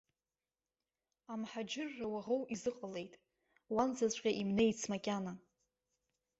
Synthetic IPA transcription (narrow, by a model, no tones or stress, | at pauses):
amħad͡ʒɪrːawaʁowizɨqʼəle̞jtʼ | wanzat͡ɕʷʼqʲʼaʔimne̞jt͡sʰmakʲʼana